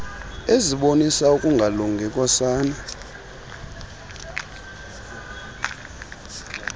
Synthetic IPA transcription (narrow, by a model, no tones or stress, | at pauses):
eziɓonisaukʼuŋɡʱaluŋɡʱɛkʼwasaːna